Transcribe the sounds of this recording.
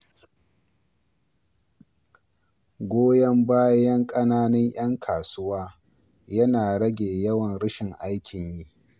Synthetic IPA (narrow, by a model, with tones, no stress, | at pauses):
ɡʷoː˦jɐ˦mbaː˦jɐ˦ŋkʼɐ˦naː˦nɐ˦ɲj̰ɐ˦ŋkʰaː˨sʊ˦waː˦ | jɐ˦naː˨ɽɐ˦ɡʲeː˨jɐ˦wɐ˨nɽɪ˦ʃɪ˨ŋʔa˦jkʲɪ˨ɲji˦ʔ